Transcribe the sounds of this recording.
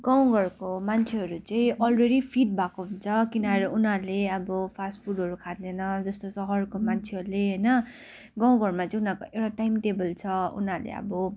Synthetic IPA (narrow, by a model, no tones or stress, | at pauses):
ɡ̥ʌw̃ɡʱʌrkomant͡sʰeɦʌɾut͡sʌĩʔʌlreɽipʰiʈ̚bʱakoɦunt͡sʰʌkinʌɦɾunaleʌbʌpʰasʈpʰuɖɦʌɾukʰat̪̚nenʌd͡zʌst̪osʌɦʌrkomant͡sʰeʌɾuleɦʌjnʌ | ɡʌ̃w̃ɡʱʌrmat͡sʌ̃ĩunakoʔewʈaʈajmʈebʌlt͡sʰʌṵnalḛʌ̰bʌ